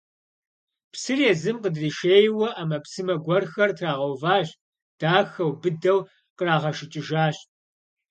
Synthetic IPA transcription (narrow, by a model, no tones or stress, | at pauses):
psɨrjɛzɨmqədriːʃeːjwɐʔɐmɐpsɨmɐɡʷɔrxɐrtʰraːʁɐwvaːɕ | d̥aːxɐwbɨdɐw | qəraːʁɐʃɪt͡ʃʼɪʒaːɕ